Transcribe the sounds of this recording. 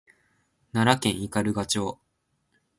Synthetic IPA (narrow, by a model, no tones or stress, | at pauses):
naɾakẽ̞ɰ̃ikaɾɯ̟ɡat͡ɕo̞ː